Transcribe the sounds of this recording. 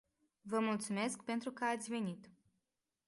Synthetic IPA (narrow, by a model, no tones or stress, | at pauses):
vəmult̪sume̞skpe̞nt̪ɾukəat̪sʲve̞nit̪